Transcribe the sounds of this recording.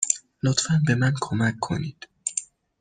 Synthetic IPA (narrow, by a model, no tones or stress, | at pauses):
lot̪fænbe̞mænkʰomækʰːo̞̰niːd̪̥